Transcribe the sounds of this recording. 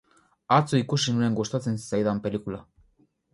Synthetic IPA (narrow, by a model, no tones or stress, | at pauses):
at͡suikusinue̞ŋɡost̪at͡se̞nsajðampe̞likula